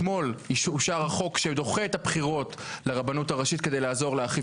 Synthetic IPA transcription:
mo̞liuʃaʁaχo̞kʃed̪oχeet̪apχiʁo̞t | leʁabanutaʁaʃit̪ke̞de̞jlaːzo̞ʁleaχi

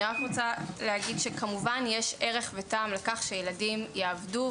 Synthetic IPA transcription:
ʁakʁot͡salehaɡidʃekamuvanjeʃe̞ʁe̞χvetaːmlekaχʃejeladimjeavdu

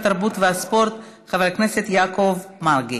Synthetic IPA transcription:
t̪aɾbut̪vɛaspoɾt̪ | χavalknɛsɛt̪jakovmaɾɡi

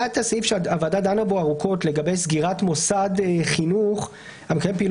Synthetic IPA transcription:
ad̚t̪asifʃeaavadad̪anaboaʁukʰo̞tle̞ɡabe̞jsɡiʁatmo̞sadeχinuχ | hamekajempiːl

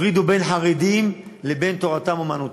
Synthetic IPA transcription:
ʁid̪ube̞nħaʁid̪imlebe̞nt̪o̞ʁat̪amomanut

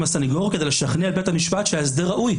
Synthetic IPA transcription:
masaniɡo̞ʁked̪ejleʃaχnealbet̪hamiʃpat̪ʃeaes̬d̪eʁaʔuj

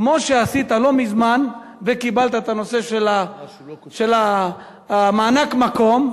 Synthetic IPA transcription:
kmoʃeasit̪alo̞mizmanvekibalt̪aet̪ano̞se̞ʃela | ʃe̞la | maːnakmako̞m

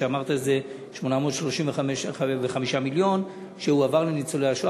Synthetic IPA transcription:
eamaʁt̪aeze̞ | ʃmonamo̞d̪ʃlo̞ʃiɱveaeʃveχamiʃamiljo̞n | ʃeuavaʁlenit͡soleaʃoa

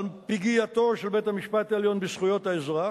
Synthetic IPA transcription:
lpiɡijat̪o̞ʃelbe̞t̪hamiʃpat̪aeljo̞nbisχujo̞t̪haezʁa

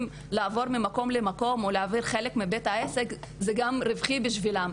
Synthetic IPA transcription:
m | laːvo̞ʁmimako̞mlemako̞moleaviʁχe̞lekmibe̞t̪haesekzeɡamʁivχibiʃvilam

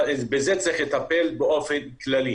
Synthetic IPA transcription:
zbezet͡sɛχlet̪apɛlbeʔofenklali

